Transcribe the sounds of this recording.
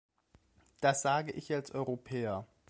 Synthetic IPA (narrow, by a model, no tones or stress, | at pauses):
d̥asz̥aːɡəʔɪçalsʔɔʏʁopʰɛːɐ